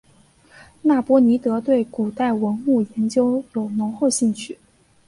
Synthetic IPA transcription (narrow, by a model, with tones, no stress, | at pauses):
na˥˩pwɔ˥ni˧˥t̪ɤ˧˥t̪we˥˩ɪku˨˩t̪a˥˩ɪwə˧˥nu˥˩jɛ˧˥nt͡ɕjo˥ʊjo˨˩ʊnʊ˧˥ŋxo˥˧ʊɕi˥˧ŋt͡ɕʰy˥˩